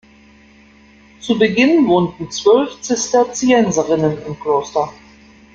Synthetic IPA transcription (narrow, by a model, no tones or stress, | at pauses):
t͡subəɡɪnvoːntn̩t͡sv̥œlft͡sɪstɛɐt͡siɛnzəʁɪnənɪmkl̥oːstɐ